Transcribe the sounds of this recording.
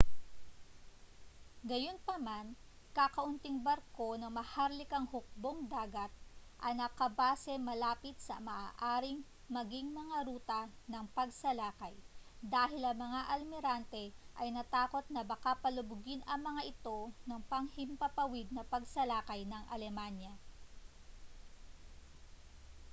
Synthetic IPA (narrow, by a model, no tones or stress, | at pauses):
ɡɐjo̞npɐman | kakɐʔʊnt̪ɪŋbɐɾko̞nɐŋmɐhaɾlɪkɐŋhʊk̚bo̞ŋd̪aːɡɐt̪̚ʔɐnɐkɐbaːsɛmɐlaːpɪt̪̚sɐ̰mɐʔaːʔaːɾɪŋ | mɐɡiŋmɐŋaɾuːt̪ɐ | nɐŋpɐɡsɐlaːkɐjd̪aːɦɪlɐŋmɐŋaʔɐlmɪɾant̪ɛʔɐjnɐt̪aːko̞t̪̚nɐbɐkapɐlʊbʊɡɪnɐŋmɐŋaʔɪt̪o̞nɐŋpɐŋhɪmpɐpɐwɪd̪̚nɐpɐɡsɐlaːkɐjnɐŋʔɐ̰lɛmanjɐ